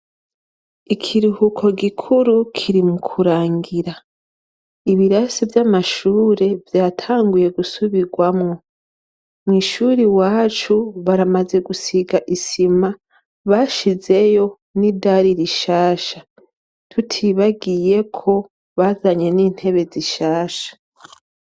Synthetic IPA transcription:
ikʰiɾuhukʰo̞ɡikʰuɾukʰiɾimukʰuɾaːŋɡiɾa | iβiɾasivjamaʃuːɾe̞vjaːtʰaːŋɡuje̞ɡusuβiɡwamŋo̞ | mŋiːʃuːɾiwaːt͡ʃuβaɾamaze̞ɡusiɡaʔisima | βaʃize̞jo̞ | nidaɾiɾiʃaːʃa | tʰutʰiβaɡije̞kʰo̞ | βazaɲe̞niːn̥he̞βe̞ziʃaːʃḁ

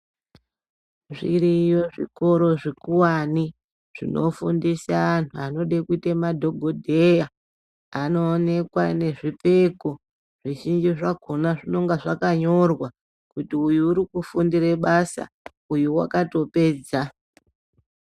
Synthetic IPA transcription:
ʐiɾijo̞ʐḭko̞ɾo̞ʐikuwani | ʐ̥ḭno̞̰fundisaːntʰuano̞ɗekuitemadʱo̞ɡʱo̞dʱe̞ja | ano̞ːne̞kwane̞ʐipe̞ko | ʐ̥iʒind͡ʒiʐaɡʱonaʐino̞ŋɡaʐakaɲo̞rwa | kutiujuːɾikufundiɾeɓasa̰ | ujuwa̰kato̞pe̞ːd͡za

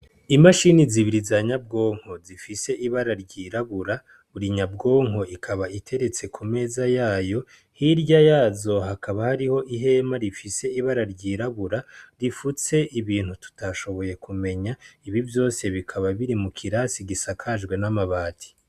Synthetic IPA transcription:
imaʃiniziβiɾizaɲab̚ɡo̞ːŋ̥ho̞zifise̞ʔiβaɾaɾɟiːɾaβuɾa | βuɾiɲabɡo̞ːŋ̥ɦo̞ʔikʰaβaitʰe̞ɾe̞t͡se̞kʰume̞ːzajaːjo̞ | hiɾɟajaːzo̞ɦakʰaβahaɾiho̞ʔiɦe̞maɾifise̞iβaɾaɾɟiːɾaβuɾaɾifut͡se̞ʔiβiːn̥hutu̥taʃo̞βo̞je̞kʰume̞ɲaiβivjo̞ːse̞βikʰaβaβiɾimukʰiɾasiɡisakʰaʒɡwe̞namaβaːtʰi̥

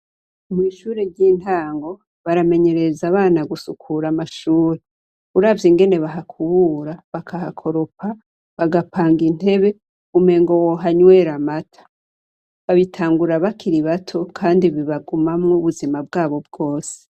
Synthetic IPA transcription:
miːʃuːɾe̞ɾɟiːn̥taːŋɡo̞ | βaɾame̞ɲe̞ɾe̞zaβaːnaɡusukʰuɾamaʃuːɾe | uɾaːvjiŋɡe̞ne̞βaɦakʰuβuːɾaβakʰahakʰo̞ɾo̞pa | βaɡapaːŋɡin̥he̞βe̞ | ume̞ːŋɡo̞woɦaɲwe̞ːɾamatʰḁ | βaβitʰaːŋɡuɾaβakʰiɾiβatʰo̞kʰaːndiβiβaɡumamŋuβuzimabɡaːβo̞b̚ɡo̞ːse̥

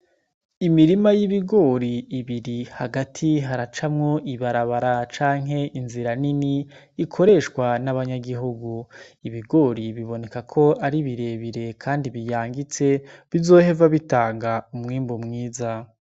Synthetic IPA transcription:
imiɾimajiβiɡo̞ːɾiːβiɾihaɡatʰiɦaɾat͡ʃamŋo̞ʔiβaɾaβaɾat͡ʃaːŋɦe̞ʔinziɾaniniː | kʰo̞ɾe̞ʃkwanaβaɲaɡiɦuɡuiβiɡo̞ːɾiβiβo̞ne̞kakʰo̞aɾiβiɾe̞βiɾe̞kʰaːndiβijaːŋɡit͡se̞βizo̞ːhe̞vaβitaːŋɡaumŋiːmbomŋiːza

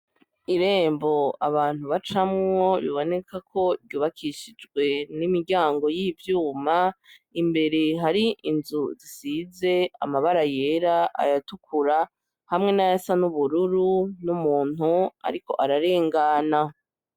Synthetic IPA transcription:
iɾe̞ːmbo̞aβaːn̥huβat͡ʃamŋo̞βḭβo̞ne̞kʰakʰo̞ɾɟuːβakʰiʃid͡ʒɡwe̞nimiɾɟaːŋɡo̞jivjuːmaimbe̞ɾe̞ɦaɾiʔinzuzisize̞a̰maβaɾaje̞ɾaʔa̰jatukʰuɾa | hamŋe̞najasanuβuɾuɾunumuːn̥ua̰ɾiko̞̰ʔaɾaɾe̞ːŋɡana

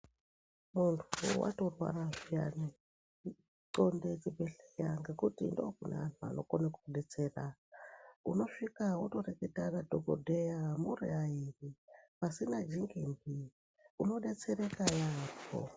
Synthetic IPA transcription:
muntʰuwa̰to̞rwa̰raʐija̰ni | ǀondet͡ʃibʱeɬejaŋɡe̞kutindokunḛantʰua̰no̞̰konekuuɗe̞t͡seːra | ṵno̞ʂikawuto̞reketaradʱoɡʱo̰dʱejamurḭairipasinad͡ʒiŋɡembi | uno̞ɗe̞t͡se̞ɾekajaːpo̰

